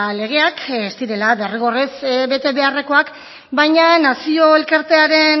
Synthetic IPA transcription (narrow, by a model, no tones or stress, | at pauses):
le̞ɣ̞e̞akest̪iɾe̞laβe̞riɣ̞o̞resβe̞t̪e̞βe̞are̞ko̞ak | bajɲanasio̞e̞lkaɾt̪e̞aɾe̞n